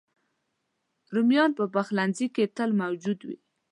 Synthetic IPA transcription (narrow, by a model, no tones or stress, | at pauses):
ɾumjɑnpəpaxlanziket̪əlmawd͡ʒud̪wḭ